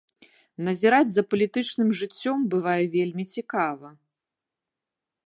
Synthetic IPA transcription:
nɐzʲɛɾad͡zʲzɐpɐlʲit̪ɨt͡ʂnɨmʐɨt͡sʲːɔmbɨvajɛvʲelʲmʲit͡sʲikavɐ

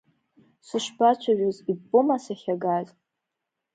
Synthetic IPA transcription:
sʷɨʃbat͡ʃʷʰaʒᶣozibʼʊmasaχʲaɡazʼ

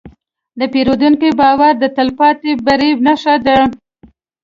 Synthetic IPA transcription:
d̪əpeɾod̪uŋkibɑwaɾd̪ət̪əlpɑt̪ebaɾebnaʃad̪ə

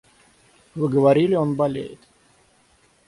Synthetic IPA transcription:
vɨɡəvaɾʲilʲɪonbɐlʲḛjɪt̪

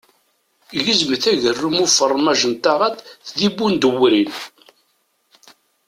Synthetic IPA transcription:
ʝizməθæʝərːumʊfərˤːmæʒənt̪aʁat̪θðibːund̪əwɾin

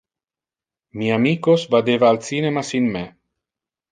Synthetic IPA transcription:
miamiːkosvad̪evaːlsiːnemasinme

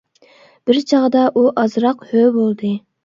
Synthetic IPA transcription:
b̥ɪɾt͡ʃʰɑʁd̪ɑʔuʔɑzɾɑqhøbolˠd̪ɨ

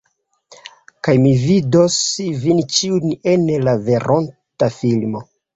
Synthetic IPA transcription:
kajmividosvint͡ʃiunenlave̞ɾʔontafilmo

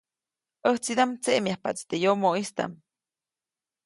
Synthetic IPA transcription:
əht͡sid̪amt͡seʔmjahpa̰t͡st̪ejomoʔist̪a̰m

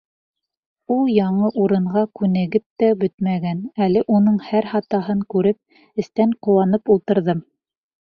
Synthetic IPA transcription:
ulˠjɑɴɤʔuɾɤ̆ɴʁɑkʉnɘ̆ɡɘp̚t̪æbɵt̪mæɡænælɘʔunɤɴhæɾhɑt̪ɑɦɤɴkʉɾɘp̚ | ɘ̆st̪æɴqŏwɑnɤpulˠt̪ɤ̆ɾðɤm

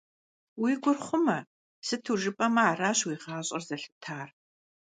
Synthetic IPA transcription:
wiːɡʷʊrχʷʊmɐ | sɨtʰuːʒɨpʼɐmɐaːraːɕwiːʁɑːɕʼɐrzɐɬɨtʰaːr

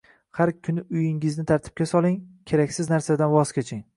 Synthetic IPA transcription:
haɾkʲʰʊnɪʊjɪŋɪznɪt̪ʰaɾt̪ʰɪ̥p̚kʲasɒlˠɪŋkʲʰe̞ɾakʲsɪznaɾsad̪anwɒzkʲet͡ʃʰɪŋ

